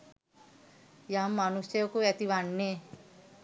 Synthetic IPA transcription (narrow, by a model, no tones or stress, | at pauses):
jamːanusjojokuæt̪iʋanːe